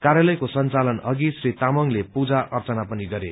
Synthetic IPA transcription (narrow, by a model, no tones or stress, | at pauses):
kaɾjalʌjkosʌnt͡salʌnʌɡisrit̪amʌŋlepud͡zaʔʌrt͡sʌnapʌniɡʌɾe